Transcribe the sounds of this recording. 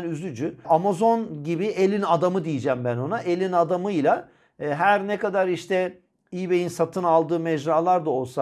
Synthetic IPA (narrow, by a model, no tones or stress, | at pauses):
nyzyd͡ʒyamazo̞nɟibielʲinad̪amɯd̪ijid͡ʒæːmbæno̞naʔelʲinad̪amɯjlˠa | ɦæɾnɛkad̪aɾiʃt̪ɛ | iːbejinsat̪ʰɯnalˠd̪ɯːmɛd͡ʒɾaːlˠaɾd̪ao̞lˠsa